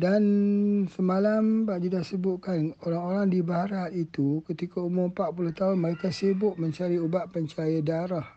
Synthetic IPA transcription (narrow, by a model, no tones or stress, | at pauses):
dansəmalambaʔd͡ʒidasəbʊt̪̚kanoɾaŋoɾaŋdibaɾat̪it̪ukət̪ikaumʊrpaʔpuloht̪aɦʊnməɾekasebʊʔ̪̚mə̃ɲt͡ʃaɾiubaʔpəɲt͡ʃajədaɾah